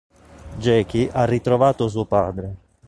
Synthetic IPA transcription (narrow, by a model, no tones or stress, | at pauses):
d͡ʒɛːk̟iʔarːit̪ɾovaːt̪os̬uopaːd̪ɾe